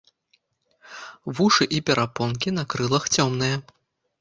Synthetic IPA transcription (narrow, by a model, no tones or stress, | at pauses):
vuʂɨʔipʲɛɾapɔnkʲinɐkɾɨlˠɐxt͡sʲɔmnɨjɐ